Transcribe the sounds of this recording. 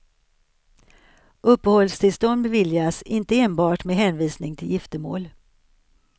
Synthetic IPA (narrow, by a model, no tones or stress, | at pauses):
ʔɵpːəhɔlst̪ʰɪlst̪ɔnd̪̚bɛvɪljasɪnt̪əeːnbɑːʈmeɦɛːnviːsnɪŋt̪ʰɪljɪft̪əmo̰ːl